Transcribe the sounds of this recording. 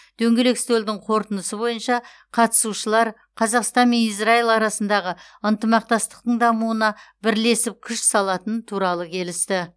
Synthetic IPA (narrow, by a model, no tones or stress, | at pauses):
d̪̥ɵŋɡʲe̞le̞kst̪old̪ɪŋqʰo̞ɾt̪ənəsəbo̞jənʃɑ | qʰɑt̪ə̥suʃəlˠɑɾ | qʰɑzɑqst̪ɑnme̞nisrailˠɑɾɑsənd̪ɑʁə | ənt̪əmɑq̚t̪ɑst̪ə̥qt̪əɴd̪ɑmuənɑbɪɾle̞sɪp̚kʲʰʏʃsɑlˠɑt̪ənt̪ʰuɾɑlˠəkʲʰe̞lɪst̪ɪ